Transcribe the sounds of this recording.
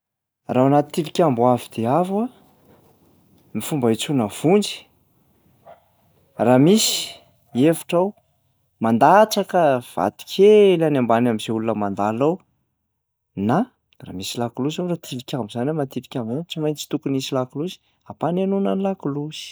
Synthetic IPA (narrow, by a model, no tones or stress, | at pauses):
rawanat̪i̥t̪ilikʲambuavid̪̥eavwa | mifumbait͡sunəv̥und͡ʒi̥ | ramisi̥ | evḁʈ͡ʂaw | mand̪at͡sakəv̥a̰t̪i̥kʲʰelanambanamiz̥eulunəmand̪alaw | na | ra̰misilakuluzarat̪ʰilikʲambuzanamat̪ilikʲambant͡simajnt͡si̥t̪ukunisilakuluzi̥ | apanenunənilakuluzi̥